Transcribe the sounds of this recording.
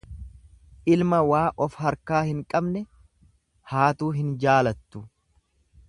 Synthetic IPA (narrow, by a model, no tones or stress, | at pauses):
ʔɪlmɐwaːʔɔfhɐɾkaːhɪŋkʼɐbnɛ | haːt̪uːɦɪnd͡ʒaːlɐt̪ːʊ